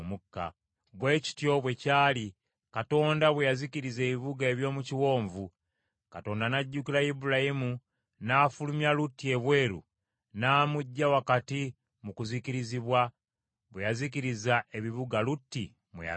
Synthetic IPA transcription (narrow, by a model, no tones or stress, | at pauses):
mukːa̰ | βwe̞ːci̥tjo̞βwe̞caːli | kato̞ːndaβwejaziciɾize̞ːβiβuɡaeβjo̞ːmuciwo̞ːɱvu | kato̞ːndanaɟːukilajibulajimu | naːfulumjalutːie̞βwe̞ːɾṵ | naːmuɟːawakati | mukuziciɾiziβwa | βwejaziciɾizaʔe̞βiβuɡalutːi | mwḛj̰